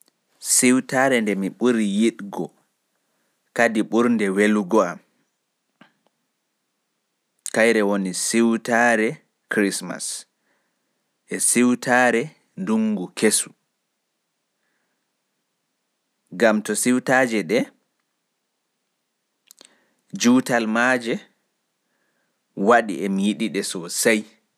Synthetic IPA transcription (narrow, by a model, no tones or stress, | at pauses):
siwtaːɾɛndɛmiɓuɾijiɗɡɔ | kadiɓuɾndɛweluɡɔam | kajɾɛwonisiwtaɾɛ | kɾisma̰s | ʔɛsiwtʰaːɾɛ | nduŋɡukʰesu | ɡamtɔsiwtad͡ʒɛɗɛ | d͡ʒuwtalmad͡ʒɛ | waɗḭɛmijiɗiɗɛsɔsaj